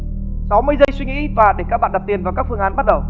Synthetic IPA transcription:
sa˨˦wmɨ˧əjzə˧jswi˧ŋḭ˧˥vaː˨˩ɗe˧˩kaː˦˥k̚ɓa̰ː˧˨nɗa˨˩p̚t̪i˨˩ənvaː˨˩wkaː˦˥k̚fɨ˧əŋʔːnɓa˦˥t̚ɗə˨˩w

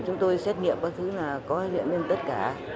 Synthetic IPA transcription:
t͡ɕʊ˨˦ŋ͡mt̪o˧jsɛ˦˥t̚ŋḭ˧˨əmɓaː˨˦˥t̚t̪ʰɨ˨˦naː˨˩kɔ˨˦zḭ˧˨ənɲe˧nt̪ə˦˥t̚kaː˧˩

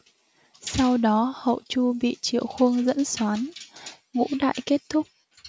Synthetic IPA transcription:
sa˧wɗɔ˨˦hə̰˧˨wt͡ɕu˧ɓḭ˧˨t͡ɕḭ˧˨əwxwə˧əŋzə̰˧˥nswaː˨˦n | ŋṵ˧˥ɗa̰ː˧˨jke˦˥t̚t̪ʰʊ˦˥k͡p̚

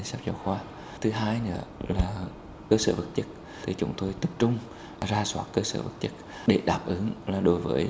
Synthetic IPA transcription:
saː˦˥p̚zɔ̰˨˩xwaː˧ | t̪ʰɨ˨˦ɦaː˧jnɨ̰˧˥əlaː˨˩ | kəː˧səː˧˩və˨˩t̚t͡ɕə˦˥t̚ | t̪ʰi˨˩t͡ɕʊ̰˨˦ŋ͡mt̪o˧jt̪ə˨˩p̚t͡ɕʊ˧ŋ͡m | zaː˧swaː˦˥t̚kəː˧sə̰ː˧˩və̰˨˩t̚t͡ɕə˦˥t̚ | ɗe˧˩ɗaː˨˩p̚ʔɨ˨˦ŋlaː˨˩ɗo˧˦jvəː˨˦j

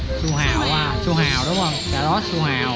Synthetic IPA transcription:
su˧ɦaː˨˩waː˧˩su˧ɦaː˨˩wɗʊ˨˦ŋ͡mhə˧˩ŋkaː˧˩ɗɔ˨˦su˧ɦaː˨˩w

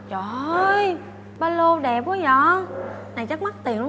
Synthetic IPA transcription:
t͡ɕɔ˨˩ə˧j | ɓaː˧lo˧ɗɛ˨˩p̚wə˨˦zɔ˨˦na˨˩jt͡ɕə˦˥k̚ma˦˥t̚t̪i˨˩əŋnlʊ˦

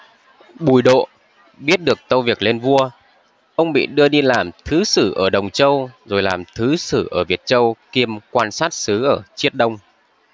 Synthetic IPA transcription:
ɓu˧˩jɗo̰˧˨ | ɓi˦˥ət̚ɗɨ˨˩ək̚t̪ə˧wvi˨˩ək̚le˧nvu˧ə | ʔə˧wŋ͡mɓḭ˧˨ɗɨ˧əɗi˧laː˨˩mt̪ʰɨ˨˦sɨ˧˩ʔəː˧˩ɗə˨˩wŋ͡mt͡ɕə˧wzo˨˩jlaː˨˩mt̪ʰɨ˨˦sɨ˧˩ʔəː˧˩vi˨˩ət̚t͡ɕə˧wki˧əmkwaː˧nsaː˦˥t̚sɨ˨˦ʔəː˧˩t͡ɕi˦˥ət̚ɗə˧wŋ͡m

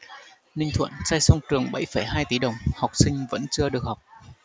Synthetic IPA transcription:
nï˧ŋ̟t̪ʰwə̰˧˨nsaː˧jsa˧wŋ͡mt͡ɕɨ˨˩əŋɓə̰˧˩jfə˧˩jɦaː˧jt̪i˨˦ɗə˨˩wŋ͡mha˨˩wk͡p̚sï˧ŋ̟və̰˧˥nt͡ɕɨ˧əɗɨ˨˩ək̚ha˨˩wk͡p̚

